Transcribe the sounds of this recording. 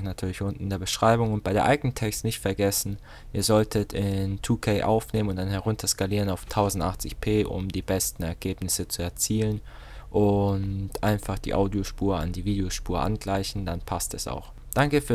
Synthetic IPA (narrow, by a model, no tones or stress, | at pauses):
natʰyːɐlɪçʔʊntn̩deːɐbəʃʁ̥aɪbʊŋʊnt̚b̥aɪɾeːɐʔaɪɡənəntʰɛkstnɪçtfɛɐɡɛsn̩ | ʔiːɐzɔltʰətʰɪntʰuːkʰɛɪʔa̰ʊfneːmənʊntd̥anhɛʁʊntʰɐskaliːʁ̞ənaʊftʰaʊzn̩tʔaχt͡sɪçpʰeːʔʊ̰mdiːbɛstn̩ɛɐɡeːpnɪsət͡suɛɐt͡siːlən | ʔʊntʔaɪnfaχd̥ḭːʔaʊdioʃpuːɐa̰ndiːviːdeoʃpuːɐʔa̰nɡlaɪçn̩danpʰastɛsa̰ʊx | d̥aŋkəfyːɐ